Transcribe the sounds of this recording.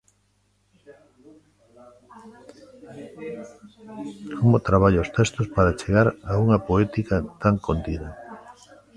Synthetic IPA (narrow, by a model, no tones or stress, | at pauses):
kʰomot̪ɾaβaʎaost̪ɛst̪ospaɾat͡ʃeɣaɾauŋɐpoɛt̪ikɐt̪aŋkont̪iðɐ